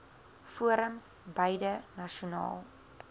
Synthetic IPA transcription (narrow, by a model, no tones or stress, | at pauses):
fuəɾəmsbəjdənɐʃunɑ̰ːlˠ